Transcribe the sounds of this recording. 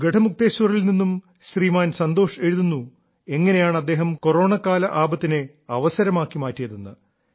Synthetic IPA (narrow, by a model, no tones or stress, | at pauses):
ɡe̞ʈʰɐmuk̚t̪eːɕʋɐrilninːum | ɕriːmaːnsɐnd̪o̞ːʂe̞ɻuðunːu | e̞ŋːɐne̞jaːɳɐd̪ːe̞ːɦɐmko̞ro̞ːɳɐkːaːlɐʔaːbɐt̪ːine | ɐʋɐsɐɾɐmaːkːimaːtːijɐðunːɐ̰